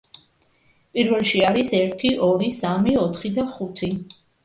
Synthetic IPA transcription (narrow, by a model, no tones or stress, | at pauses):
pʼiɾvɛlˠʃiaɾisɛɾt̪ʰiʔɔɾisamiɔt̪ʰχid̪aχut̪ʰi